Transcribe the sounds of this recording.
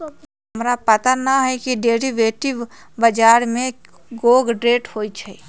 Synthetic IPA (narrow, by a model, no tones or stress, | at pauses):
ɦəmɾapət̪anəɦɛkiɖeːɾiʋeːʈɪʋ | bəd͡ʒaːɾmẽ | ɡoːɡɖɾeːʈhoːit͡ʃʰɛ